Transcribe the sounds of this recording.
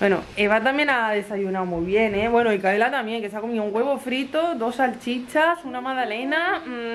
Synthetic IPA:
we̞no̰eβat̪amjẽ̞naðe̞saʝunawmujβje̞neβwe̞noikaβelat̪amje̞ŋke̞s̬ako̞miouŋɡwe̞βo̞fɾit̪oðo̞salt͡ʃit͡ʃasunamaðale̞na

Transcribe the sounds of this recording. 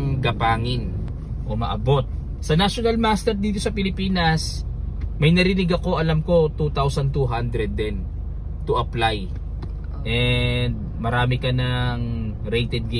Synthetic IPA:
ɡɐpaːŋɪn | ʔo̞mɐ̰ʔɐ̰bo̞t̪̚ | sɐnaʃonɐlmast̪ɛɾd̪iːt̪o̞sɐpɪlɪpiːnɐs | mɐjnɐɾɪnɪɡɐko̞ʔɐlamko̞t̪ut̪awsɐnt̪uɦand̪ɾɛd̪ːɛn | t̪ʊʔɐplaj | ʔɛnd̪̚mɐɾaːmɪkɐnɐŋ | ɾejt̪ɛd̪̚ɡ

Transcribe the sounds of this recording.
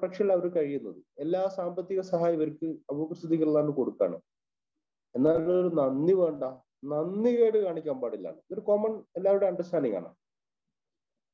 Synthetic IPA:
prɐkʂɐɣɐɭɐʋɐɾkɐɻijunːɐðɨelːaːsaːmbɐt̪ːiɣɐsɐɦaːjɐʋɐɾkːɨɐbuprst̪ʰud̪ikʲːɐɭlːaːnːɨko̞ɽukːa̰ːɳɨ̰ | e̞nːaːoɾunɐnːiʋeːɳɖaː | nɐnːikeːɽɨkaːɳikʲːaːmbaːɽilːa̰ːɳɨoɾukomɐɳelːaːʋjuɽeɐɳɖrɐsʈʰaːniŋa̰ːɳa̰

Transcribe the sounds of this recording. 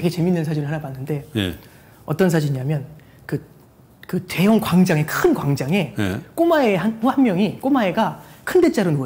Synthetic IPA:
ɡet͡ɕe̞minːɯns̬ʰad͡ʑinɯɭhanabanːɯnde̞j̰ | ʌ̰t͈ʌns̬ʰad͡ʑiɲɲamjʌn | kɯ | kɯte̞jʌŋkwaŋd͡ʑaŋe̞kʰɯnkwaŋd͡ʑaŋe̞k͈omaeɦanuhanmjʌŋikomae̞ɡakʰɯnde̞t͡ɕ͈aɾonoʌ

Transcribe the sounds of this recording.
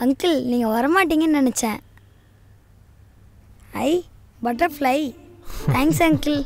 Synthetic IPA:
ɐŋkɪlniːŋɡɐʋɐɾɐmaːʈːiːŋɡɐnnɪnɛt͡ʃːẽː | ɐɪ | bɐʈːɐflɐɪt̪ʰaːŋksɐŋkɪl

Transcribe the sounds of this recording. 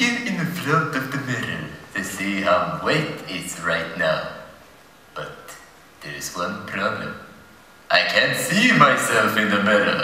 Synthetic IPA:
ɪɨ̃nðɨflʌktʌvðɨmɪɾl̩ˠtʰɨsihaʊ̃weɪtɪtsɹaɪtⁿnaʊ | b̥ʌt̪̚ | ðə˞ɨzwʌ̃npʰɹ̥ʌblɨ̰̃m | ʔaɪkʰæ̃ntsimaɪsɛlˠfɨ̃nðɨmɪɾ̰lˠ

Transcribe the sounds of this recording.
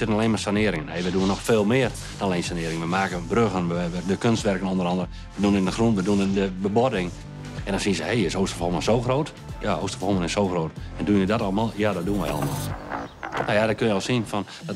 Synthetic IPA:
sɪtənaleːnmasanɪəɾɪŋəneːʋəduənːɔxfeːlˠmɪər | d̥ɔnleːnsanɪəɾɪŋəʋəmaːkəbrøɣənʋəʋədəkønstʋɛrkənondəɾɑndərə | ʋədunɪndəxrunʋəduənədəbəbodɪŋ | ɛ̃ndɔnsinəsəhejɪsoːstrfɔlˠmasoːxroːt | jaoːstərfɔlˠmənɪsoːxroːtɛndunjədɔtɑlˠəmalˠjadɔt̚duənʋə̰ɑ̰lə̰ma̰lˠ | najadɔkønjəɔlˠsinfɔn

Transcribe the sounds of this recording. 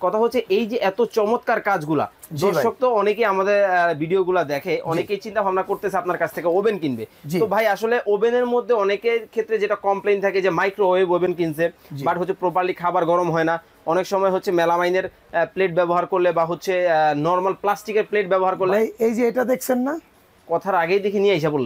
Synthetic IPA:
kɔt̪ʰaɦotːɕʰeʔejd͡ʑeʔɛt̪ot͡ɕɔmot̪kaɾkad͡ʑɡula̰ | d̪ɾʃok̚t̪oɔnekejamad̪eɾbʱiɖioɡulad̪ɛkʰeʔɔ̰nekejt͡ɕint̪abʱabnakoɾt̪eeapnaɾkat͡ɕʰt̪ʰekeobenkinbed͡ʑtiobʱajaʃoleʔobeneɾmod̪ʱːeɔnekekʰet̪ːɾed͡ʑeʈakɔmplejnt̪ʰaked͡ʑemajkɾoɦoebobenkins̬ebaʈɦotːɕʰepɾopaɾlikʰabaɾɡɔɾomɦɔena | ɔnekʃɔmɔeɦotːɕʰemɛlamajneɾ | pleʈ̚bɛboɦaɾkoɾlebaɦotːɕʰenɔɾmalplasʈikeɾpleʈ̚bɛboɦaɾkoɾleejd͡ʑeeʈad̪ekʰt͡ɕʰenːa | kɔt̪ʰaɾaɡejd̪ekʰeniajʃʰabolːe

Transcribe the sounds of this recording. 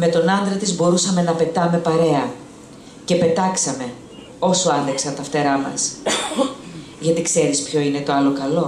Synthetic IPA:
me̞t̪o̞nɐnd̪ɾɐt̪izbo̞ɾusɐme̞nɐpe̞t̪ɐme̞pɐɾe̞ɐ | ce̞pe̞t̪ɐksɐme̞ | o̞soɐnðeksɐt̪ɐft̪e̞ɾɐmɐ̰s | ʝɐt̪ikse̞ɾispço̞ine̞t̪o̞ɐlo̞kɐlo̞

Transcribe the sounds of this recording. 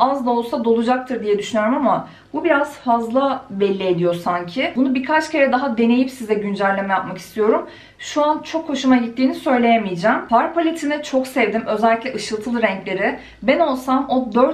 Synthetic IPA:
azd̪ˠao̞lˠsad̪o̞lˠud͡ʒak̚t̪ʰɯɾd̪ijɛd̪yʃynyjo̞ɾmama | bubiɾazfazlˠabɛlʲːied̪ijo̞ɾsaɲcʰɪbunubikʰat͡ʃcʰe̞ɾɛd̪aɦad̪e̞ne̞jipsizɛɟynd͡ʒælʲlʲːemɛjap̚maki̥st̪ʰijo̞ɾum | ʃuant͡ʃʰo̞khːo̞ʃumaɟit̪ːiːnisø̞jlʲe̞jemijd͡ʒæːmpaɾpʰolʲet̪ʰinɛt͡ʃʰo̞ksɛvd̪imø̞zɛlʲːiclʲɛʔɯʃɯlˠt̪ʰɯlˠɯɾɛɲclʲe̞ɾɪ | bɛno̞lˠsamo̞d̪øɾt̪

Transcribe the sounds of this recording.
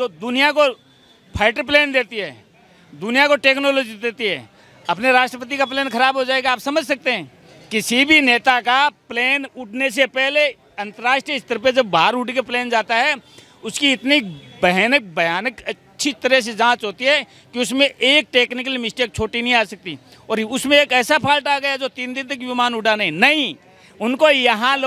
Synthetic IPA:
d͡ʒoːd̪ʊnijako | pʰaːɪʈəɾp̬leːnd̪eːt̪iɦɛː | d̪ʊnijakoʈeːknoːloːd͡ʒid̪eːt̪iɦɛː | ɐpneɾaːʃʈɾəpət̪̬ikapleːnkɐɾaːbɦod͡ʒaːeɡaaːpsɐməd͡ʒʱsɐk̚t̪eɦɛ̃ː | kɪsibʱineːt̪akapleːnʊʈʰnes̬epɛɦle | ɐ̃nt̪əɾaːʃʈɾijəɪst̪əɾpẽd͡ʒɐbːʱaːɾuːʈikepleːnd͡ʒaːt̪aɦɛ | ʊskiɪt̪nibəɦnək̚bɐjaːnəkɐtːʃʰit̪əɾɛs̬ed͡ʒãːt͡ʃɦoːt̪iɦɛ | kiʊsmẽʔeːk̚ʈeːknɪkəlmɪsʈeːk̚t͡ʃʰoːʈinɐɦĩaːsɐk̚t̪i | ɔːɾʊsmẽeːkɛːsapʰaːlʈaːɡɐjad͡ʒoːt̪iːnd̪ɪ̃nt̪ɐkʋɪmaːnʊɖanaɦĩnɐɦĩ | ʊnkojɐɦãlː

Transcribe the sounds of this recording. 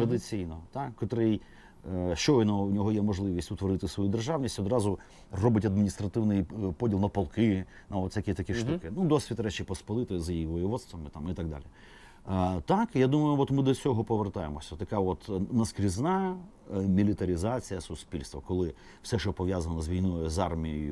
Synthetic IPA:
t̪ɾɐd̪ɪt͡sʲijnɔt̪ɑkːɐt̪ɔɾɛj | ʃt͡ʃɔjnɔunʲɔɦɔjɛmɔʐlˠɪʋʲisʲtʲʊt̪ʋɔɾɪt̪ɪsʋɔjud̪erʒɑʋnʲisʲtʲɔd̪ɾɑzʊ | rɔbɪtʲɐd̪̚mʲinʲist̪ɾɐt̪ɪwnɪjpɔdʲilˠnɐpɐlˠkɪ | nɐɔt̪sʲɐkʲit̪ɐkʲiʃt̪ukɪnud̪ɔsʲʋʲit̪ɾɛt͡ʃɪpɔspɔlˠɪt̪ɔzjijiʋɔjɪʋɔd̪st̪ʋɐmɪt̪ɑmit̪aɡ̚d̪a̰lʲi | t̪ɑkjad̪umɐjʊʋɔt̪mɪd̪ɔsʲɔɦɔpɔʋert̪ɑjemɔsʲɐt̪ɐkɑɔt̪nɐskɾʲiznɑ | mʲilʲɪt̪ɐɾʲɪzat͡sʲijɐsʊspʲilʲst̪ʋɔkɔlˠɪ | fsɛʃt͡ʃɔpɔʋʲjazɐnɔzʋʲijnɔjʊzɑrmʲijejʊ

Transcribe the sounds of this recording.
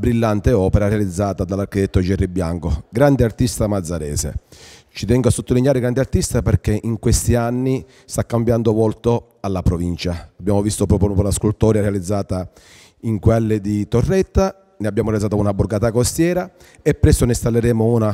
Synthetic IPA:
bɾilːant̪eɔːpeɾaɾealid̪zːaːt̪ad̪alːaɾkit̪ɛt̪ːod͡ʒɛrːibːja̰ŋkoɡɾand̪eart̪ist̪amad̪zːaɾɛ̰ːsḛt͡ʃit̪ɛŋɡoasːot̪ːolinjaːɾeɡɾand̪eart̪ist̪apeɾkeʔiŋkwest̪ianːi | st̪akːambjand̪ovɔlt̪o | alːapɾovint͡ʃaabːjaːmovist̪opɾɔːpɾonɔːpolaskult̪ɔːɾjaɾealid̪zːaːt̪a | iŋkwɛlːɪd̪it̪orːɛt̪ːa | nɪabːjaːmoɾeɛlid̪at̪ounabːuɾɡaːt̪akost̪jɛːɾa | ɛpːɾɛsːonɪst̪alːeɾɛːmouna

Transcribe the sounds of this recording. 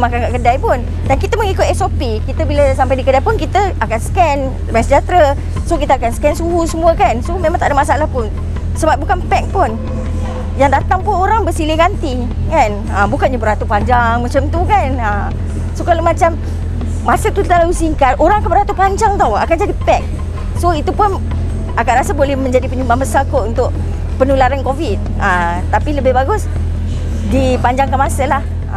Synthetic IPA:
mãkankaʔkədajpʊn | dankit̪əməŋikʊt̪ɛsopikit̪əbiləs̬ampajdikədajpʊnkit̪əʔakansə̥kɛn | əbaŋsəd͡ʒat̪ɾə | sokit̪əakansə̥kɛnsuɦusəmuəkansomemãŋt̪aʔdəmasaalahpʊn | səbap̚bukanpɛk̚pʊn | jaŋdat̪aŋpʊnoɾaŋbəsilɪɡant̪i | kan | əmbukat̪̚ɲabəɾat̪upaɲd͡ʒaŋmat͡ʃamt̪ukanəm | sokalamat͡ʃamː | asət̪ut̪alalusiŋkat̪ʔoɾaŋakanbəɾat̪upaɲd͡ʒaŋt̪awa̰kand͡ʒadipɛk̚ | soit̪upʊn | ʔakanɾasəbolɛhmə̃ɲd͡ʒadipəɲumbaambəsakoʔunt̪ʊʔ | pənulaɾankovit̪̚ | əm | t̪apiləbɪhbaɡʊs | dipaɲd͡ʒaŋkanmasəlah

